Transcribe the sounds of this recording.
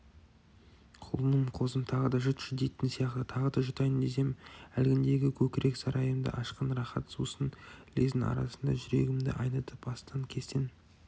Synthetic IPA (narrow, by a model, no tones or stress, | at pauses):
qʰʊlˠənəmqʰo̞zəmt̪ʰɑʁəd̪ɑʒʊt̪ʒ̥ɪd̪e̞jt̪ɪnsijɑqt̪ət̪ʰɑʁəd̪ɑʒʊt̪ɑjənd̪ejse̞mælɡʲɪnd̪e̞ɡʲɪkʲʰɵkʲɪɾʔe̞ksɑɾʔɑjəmd̪ə̰ʔɑʃqənɾɑχɑt̪susənlezɪnɑ̰ɾɑ̰sənd̪ɑ̰ʒʏɾe̞ɡʲɪmd̪ɪ̰ʔɑ̰jnət̪əpbɑst̪ɑŋkʲʰe̞st̪en